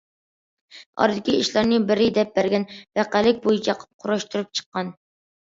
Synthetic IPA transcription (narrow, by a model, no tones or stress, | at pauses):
ɑ̰ɾd̪ɪkʲiiʃlˠɑɾnɪbɪɾɪd̪ɛp̚bæɾɡʲɛnvæqælɪk̚ʲbojit͡ʃʰɑqʰp̚qʰʊɾɑʃt̪ɨɾɨp̚t͡ʃʰə̥qːɑn